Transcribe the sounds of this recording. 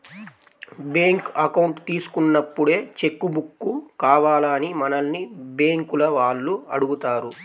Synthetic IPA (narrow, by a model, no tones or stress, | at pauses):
beːŋkɐkɐwuɳʈt̪iːsu̥kunːɐpːuɽe̞ːt͡ʃe̞kːubukːukaːʋaːlɐnimɐnɐlnibeːŋkulɐʋaːɭːuɐɽuɡut̪aːɾu